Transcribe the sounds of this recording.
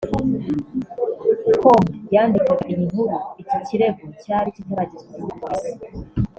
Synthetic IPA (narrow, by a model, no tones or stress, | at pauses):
komajaːndikwaɡaʔimiŋ̥uɾuiciciɾe̞ɡocaɾicinoɾaɟizeuuɡwae